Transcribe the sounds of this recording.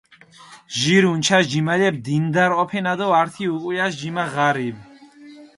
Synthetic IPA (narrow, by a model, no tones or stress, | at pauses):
ʒiɾunt͡ʃʰas̬d͡ʒimalɛb̚d̪ind̪aɾɔpʰɛnad̪ɔaɾt̪ʰiuqʼwujasd͡ʒimaʁaɾib